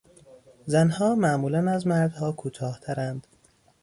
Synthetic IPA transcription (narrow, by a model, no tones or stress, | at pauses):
zænhɒːmæʔmuːlænæzmæɾd̪hɒːkʰuːt̪ʰɒːht̪ʰæɾænd̪̥